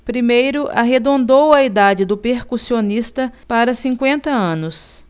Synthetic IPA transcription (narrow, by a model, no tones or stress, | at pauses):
pɾimejɾʊʔa̰ɦed̪õnd̪owɐid̪ad͡ʒɪd̪ʊpeɾkusionist̪ɐpaɾɐsĩkwẽnt̪ɐɐ̃nʊs